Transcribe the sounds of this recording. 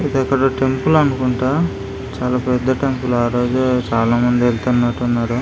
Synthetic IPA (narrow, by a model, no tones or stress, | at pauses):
id̪ɐkːɐɽɐʈe̞mpulɐnukuɳʈaː | t͡ʃaːlaːpɛd̪ːɐʈe̞mpulaːɾo̞ːd͡ʒut͡ʃaːlaːmɐnd̪ielt̪unːɐʈunːaːɾu